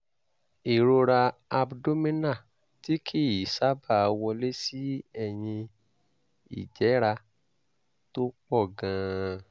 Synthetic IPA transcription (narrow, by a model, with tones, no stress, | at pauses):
i˨ɾo˧ɾa˧a˧bdo˦mĩ˦na˦˨ | ti˦kʰi˦˨i˨sa˦ba˦˨˧wɔ˧le˦si˦ɛ˧j̃ĩ˧ | ḭ˨d͡ʒɛ˨˦ɾa˧ | to˦k͡pɔ˦˨ɡã˧